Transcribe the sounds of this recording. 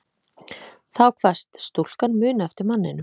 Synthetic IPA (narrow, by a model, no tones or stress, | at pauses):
θawkʰvast̪st̪ol̥kanmʏːnɛft̪ɪɾmanːɪnʏm